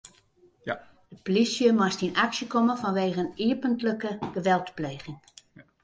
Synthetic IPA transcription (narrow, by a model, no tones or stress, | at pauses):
d̥əplisjəmastinaksjəkoməfɔnʋeːɣəniəpəntləkəɡ̥əʋɛlˠtpleːɣɪŋ